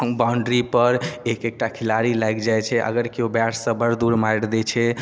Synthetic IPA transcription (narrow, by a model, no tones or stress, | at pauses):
baʊɳɖɾipəɾekek̚ʈakʰilaɾilajkd͡ʒajt͡ʃʰɛʔə̰ɡəɾkeobaʈʰsə̃bəɾd̪uɾmajɽd̪ɛt͡ʃʰɛ